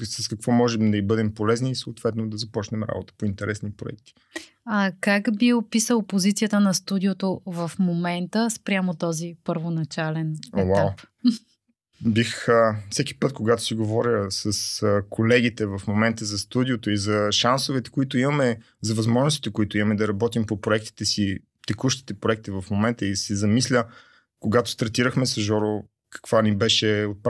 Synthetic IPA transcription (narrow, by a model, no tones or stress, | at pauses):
sɐskɐkvɔmɔʒɛmd̪ɐibɤd̪ɛmpolɛzniːsəoːt̪v̥ɛt̪nod̪ɐzɐpɔt͡ʃnɛmɾa̰bot̪ə̥point̪ɛɾɛsnipɾo̰ɛ̰k̚t̪i̥ | ɐkakbiopisəlˠpozit̪siət̪ənɐst̪ud̪iot̪ovɐfmomɛnt̪əspɾʲjamot̪ɔzipəɾvonɐt͡ʃalɛnwaw | bixəfsɛkʲi̥pɤt̪koɡat̪o̥siɡovɔɾʲəsəsəkʰolɛɡ̟it̪ɛvɐfmomɛnt̪əzɐst̪ud̪iot̪oizɐʃansovɛt̪ɛ̥koit̪ʊimɐmɛ | zɐvɐzmɔʒnʊst̪i̥t̪əkʊit̪ʊimɐmɛd̪ɐɾɐbɔt̪impopɾoɛk̚t̪i̥t̪ɛsi | t̪ɛkuʃt̪i̥t̪ɛpɾoɛk̚t̪ivɐfmomɛnt̪əisizɐmislʲə | koɡat̪ʊ̥st̪ɐɾt̪iɾəxmɛsɐʒɔɾo | kɐ̥kvanibɛʃɛot̪̚p